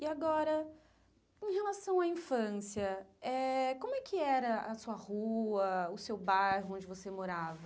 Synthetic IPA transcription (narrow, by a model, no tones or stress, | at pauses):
iaɡɔɾɐ | ẽɦelasɐ̃w̃aĩfɐ̃siɐɛkõmʊɛkʰɪɛɾɐɐsuɐhuɐʊsewbaɾhʊõd͡ʒɪvosemoɾavɐ